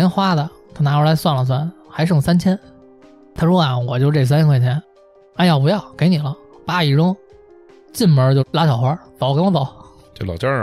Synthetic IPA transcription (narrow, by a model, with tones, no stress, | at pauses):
ɛ˥nxwa˥d̪ə˨ | t̪ʰa˥˩na˧˥ə˧˥la˧˥ɪswa˥˩nlə˩s̬wa˥˩nxa˧˥ɪɻ̩˥˩˨ŋsa˥nt͡ɕʰjɛ˥n | t̪ʰa˥ʂwɔ˥a˨˩wɔ˨˩t͡ɕo˥˧ʈ͡ʂs̬a˥nt͡ɕʰkwt͡ɕʰjɛ˧˥n | a˥˧ɪjɑ˥˩pu˧˥jɑ˥˩ʊke˧˥ɪni˨˩lə˦ | pa˥i˨˩ʈ͡ʂʊ˥ŋ | t͡ɕi˥˩nmə˞˧˥t͡ɕjo˥˧ʊla˧˥t͡ɕʰjɑ˨˩ʊxwa˧˥t̪ɑ˨˩˦wkwɔ˧˥t̪ɑ˨˧˩ʊ | t͡ɕjo˥˩lɑ˨˩ʊt͡ɕjɑ˥